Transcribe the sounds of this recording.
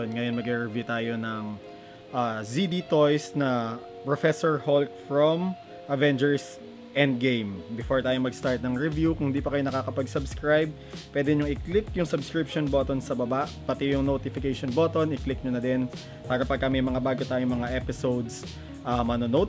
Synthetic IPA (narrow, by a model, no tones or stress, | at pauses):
onŋɐjonmɐɡɛɹɛvjut̪aːjo̞nɐŋ | ʔaːzid̪it̪ojsnɐ | pɹofɛsoɹholk̚fɹom | ʔɐvɛnd͡ʒɛɹs | ʔɛnd̪̚ɡejmbɪfoɹt̪aːjomɐɡst̪aɹt̪̚nɐŋɹɛvjukʊŋhɪnd̪ipɐkɐjo̞nɐkaːkɐpɐɡsɐbskɹajb̚ | pːwɛːd̪ɛɲʊŋɪklɪk̚jʊŋsɐbskɹɪp̚ʃonbot̪onsɐbɐbaʔpɐt̪ɪjʊŋnot̪ɪfɪkejʃonbot̪onɪklɪk̚ɲonɐd̪ɛn | paːɾɐpɐɡ̚kːamɐjmɐŋabaːɡot̪aːjoŋmɐŋaʔɛpɪsowd̪s | ʔamɐnonot̪